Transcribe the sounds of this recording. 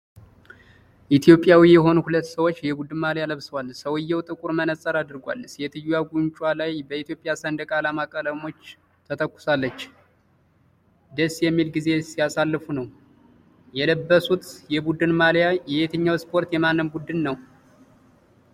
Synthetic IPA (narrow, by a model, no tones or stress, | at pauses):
ʔit̪ʰjo̞pʼjawijɛɦo̞nuhulət̪ːsəwo̞t͡ʃːjɛbud̪ɨnmaljaləβsəwalsəwɨjːɛwt̪ʼɨkʼuɾmənəsʼəɾad̪ɨɾɡʷa̰lsjɛt̪ʰɨjujaɡunt͡ʃʼwalajbəit̪ijo̞pʼɪjasənd̪əkʼalamakʼələmo̞t͡ʃː | t̪ʰət̪ʰəkʷːʊ̥salːət͡ʃː | d̪əsːjɛmːilɡize̞sijasalːɨfunəw | jɛləbːəsut̪jɛbud̪ɨnmaljajɛet̪ʰɨɲːawspʰo̞ɾt̪jɛmanːɨmbud̪ɨnːəw